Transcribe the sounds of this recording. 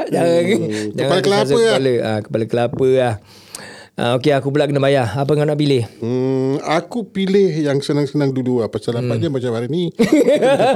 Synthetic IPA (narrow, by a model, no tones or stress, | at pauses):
d͡ʒaŋand͡ʒaŋaaləkəlas̬əəkaləa̰kə̥paləkəlapəlah | a̰okeakup̬ulaʔkənəbajaap̬əŋanaʔpilɪh | akupilɪhjaŋsənaŋsənaŋduduapasalaad͡ʒambat͡ʃamaɾini